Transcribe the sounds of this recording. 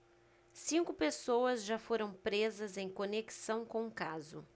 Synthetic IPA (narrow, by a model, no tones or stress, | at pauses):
sĩŋkʊpesowɐzʒafoɾɐ̃w̃pɾezɐzẽj̃koneki̥sɐ̃w̃kõũkazʊ̰